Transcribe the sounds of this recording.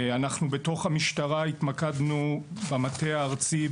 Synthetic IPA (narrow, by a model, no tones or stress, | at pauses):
anaχnubeto̞χhamiʃtaʁait̪makad̪nubamateaːʁt͡si